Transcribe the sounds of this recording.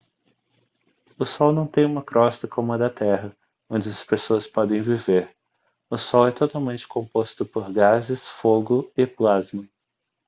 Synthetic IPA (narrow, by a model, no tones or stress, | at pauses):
ʊsɔwnɐ̃w̃t̪ẽj̃ũmɐkɾɔst̪ɐkõmʊɐd̪ɐt̪ɛɦɐ | õnd͡ʒɪɐspesoɐspɔd̪ẽj̃viveɾ | ʊsɔwɛt̪ot̪awmẽnt͡ʃɪ̥kʰõpost̪ʊpoɾɡazɪsfoɡʊɪplazmɐ